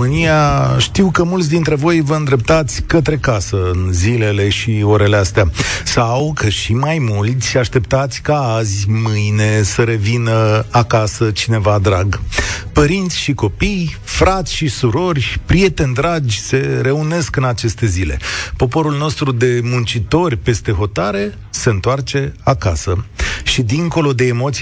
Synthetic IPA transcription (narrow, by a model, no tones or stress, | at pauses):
ɨnijaʃt̪iwkəmult̪sʲd̪int̪ɾe̞vo̞jvəɨnd̪ɾe̞p̚t̪at̪sʲkət̪ɾe̞kasəɨnzile̞le̞ʃio̞ɾe̞le̞ast̪easawkʰəʃimajmult̪sʲaʃt̪e̞pt̪at̪sʲkaazʲmɨjne̞səɾe̞vinəakasət͡ʃine̞vad̪ɾaɡpəɾint̪sʲʃiko̞pijfɾat̪sʲʃisuɾo̞rʲpɾije̞t̪e̞nd̪ɾad͡ʒʲse̞ɾe̞une̞skɨnat͡ʃe̞st̪e̞zile̞̰po̞po̞ɾulno̞st̪ɾud̪e̞munt͡ʃit̪o̞rʲpe̞st̪e̞ɦo̞t̪aɾe̞ | se̞ɨnt̪oart͡ʃe̞akasəʃid̪iŋko̞lo̞d̪e̞ːmo̞t̪s